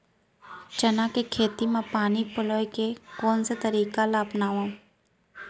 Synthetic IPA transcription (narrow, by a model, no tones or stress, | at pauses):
t͡ʃənakekʰeːt̪imãpaːnipʊloːekekoːnsat̪əɾiːkalaːpnaːʋãː